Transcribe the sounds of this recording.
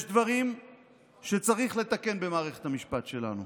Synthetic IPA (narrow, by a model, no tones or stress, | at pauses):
jeʃd̪vaʁim | ʃe̞t͡saʁiχle̞t̪ake̞nbe̞maːʁe̞χe̞thamiʃpat̪ʃe̞la̰nu